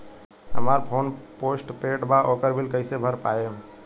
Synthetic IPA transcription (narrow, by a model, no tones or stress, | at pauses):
ɦə̰maɾpʰonposʈpeʈbaʔokəɾbʱilkəɪsebʱəɾpa̰jem